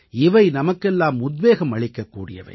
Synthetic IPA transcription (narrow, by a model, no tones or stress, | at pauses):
ɪʋɐɪnɐmɐkːɛlːaːmʊd̪ʋeːɣɐmɐɭɪkːɐkːṵːɽɪ̰jɐ̰ʋɐ̰ɪ